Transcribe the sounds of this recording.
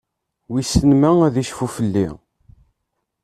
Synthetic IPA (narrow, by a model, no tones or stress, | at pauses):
wisənmææðiʃfufəlːḭ